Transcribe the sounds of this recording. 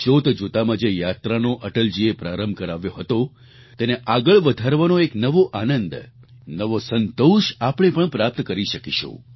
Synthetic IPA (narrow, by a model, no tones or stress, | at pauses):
t͡ʃot̪d͡ʒut̪amãd͡ʒejat̪ɾanoʔəʈəld͡ʒiepɾaɾəmbʱkəɾaʋjoɦət̪o | t̪eneʔaɡəɭʋəd̪ʱaɾʋanoeknəʋoʔanənd̪ | nəʋosənt̪oʃapəɳ̃epəɳpɾap̚t̪kəɾiʃəkiʃṵ̃